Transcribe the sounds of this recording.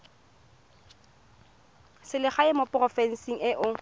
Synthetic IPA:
sɪlɪχaɪmopʼrɔfɛn̩siŋ̩ɪʔʊ

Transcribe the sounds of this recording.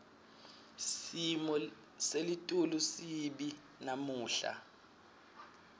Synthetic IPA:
simɔ | selitʼulusiɓi | namuːɬa̰

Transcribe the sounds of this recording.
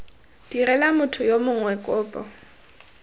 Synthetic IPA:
d̥irɛlamʊtʰʊjomʊŋwɛkʼʊːpʼɔ

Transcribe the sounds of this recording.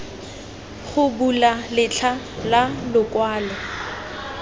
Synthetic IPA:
χʊbulalɪt͡ɬʰa | lalʊkʼwaːlɛ

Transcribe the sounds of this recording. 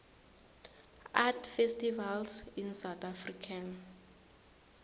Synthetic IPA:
ʔatfɛstivalsinsawt̪afrikʰan

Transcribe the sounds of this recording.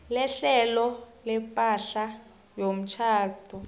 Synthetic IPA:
lɛɬɛlɔ | lɛpʼaɬa | jom̩t͡ʃʰaːtʰɔ

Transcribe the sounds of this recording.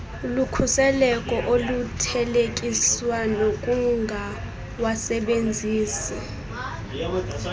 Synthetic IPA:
lukʰusɛlɛkʼɔʔolutʰɛlekʼiswanokʼuŋɡʱa | wasɛɓend͡zʱiːsɛ

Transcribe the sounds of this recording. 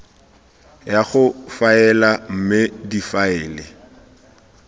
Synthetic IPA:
jaχʊfaɛlam̩mɪdifaɛːlɪ

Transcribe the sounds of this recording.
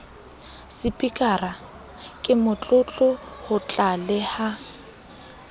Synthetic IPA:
sɪpʼikʼara | kʼɪmʊt͡ɬʼʊt͡ɬʼʊhʊt͡ɬʼalɛha

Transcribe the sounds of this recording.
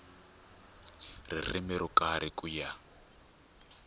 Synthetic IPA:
rḭr̤imɛɾukaɾʔikʼuja

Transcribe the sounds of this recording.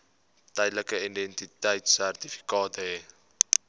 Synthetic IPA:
tɛjdləkəindɛntitəjtsærtifi̥kɑːtəɛ

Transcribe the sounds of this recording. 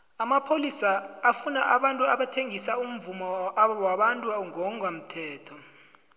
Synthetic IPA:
amapʰolisaafunaʔaɓantʼuaɓatʰeŋisaum̩vumɔwaɓantʼuŋɔam̩tʰɛːtʰɔ

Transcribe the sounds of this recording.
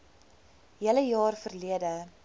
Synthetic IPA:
ɦiələjɑːrfərliədə

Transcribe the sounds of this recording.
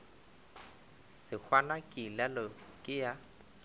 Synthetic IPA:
sɪk͡xʰwanakʼilɛlɔkʼɪja

